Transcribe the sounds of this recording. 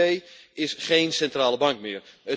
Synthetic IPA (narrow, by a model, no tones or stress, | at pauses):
ejɪsχejnsɛntraːləbɑŋkmɪːrə